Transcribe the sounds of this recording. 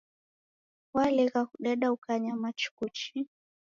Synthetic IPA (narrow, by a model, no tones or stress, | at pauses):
walɛɣakuɗɛɗaukaɲamat͡ʃu̥kut͡ʃi